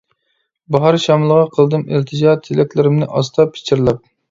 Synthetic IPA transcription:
bɑɦɑɾʃɑmlˠəʁɑqʰəlˠd̪ɨmɪlt̪ʰɨd͡ʒɑt̪ʰjilɛk̚ʲlɪɾɪmnɪʔɑst̪ʰɑpʰːi̥t͡ʃʰɪɾlˠɑp̚

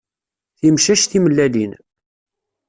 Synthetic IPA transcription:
θimʃæʃθiməlːælin

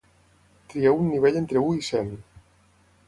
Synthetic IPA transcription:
t̪ɾieunːiβ̞eʎent̪ɾeuisɛm

